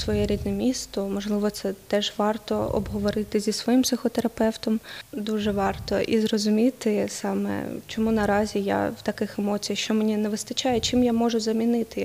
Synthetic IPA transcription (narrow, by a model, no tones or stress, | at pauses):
sʋɔjɛɾʲid̪nɛmʲist̪ɔmɔʒlˠɪʋɔt̪sɛt̪ɛʒʋɑrt̪ɔɔ̰bɦɔʋɔɾɪt̪ɪzʲisʋɔjimpsɪxɔt̪eɾɐpɛwt̪ɔmd̪uʒɛʋɑrt̪ɔʔḭzrɔzʊmʲit̪ɪsɑmɛ̰t͡ʃɔmunɐɾɑzʲija̰wt̪ɐkɪxemɔt͡sʲijɐxʃt͡ʃɔmenʲinɛʋɪst̪ɐt͡ʃɑjɛt͡ʃɪmjamɔʒʊzɐmʲinɪt̪ɪ